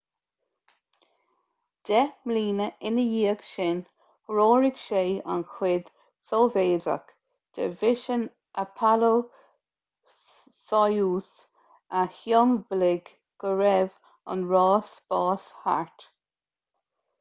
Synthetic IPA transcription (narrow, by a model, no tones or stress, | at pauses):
d̪̥ɛmliːnəɪnəjiːəɡʃɪn | ɹoːɹɪɡʃeːa̰nxʰwɪd̪̥ | sɔveːdə̰k | d̪̥ɛ̰vɪʃən | ʔəpʰalo | sɔjuːs | ahjɔnblɪɡ | ɡ̥əɹɛv | ə̰nɹɑːsbɑːsha̰ɹt̪